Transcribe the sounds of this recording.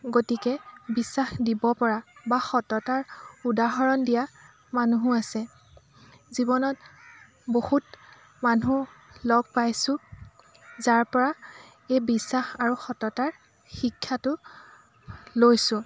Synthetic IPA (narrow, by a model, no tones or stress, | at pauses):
ɡotikɛbisaxdibɔpɔɹabaxɔtɔtaɹudaɦɔɹɔndija | manuɦʊasɛ | zibɔnɔt̚ | bohut | manulɔɡ̚pajsʊ̃ | zaɹpɔɹa | ejbisaxaɹuxɔtɔtaɹ | xikʰːatʊ | lojsʊ̃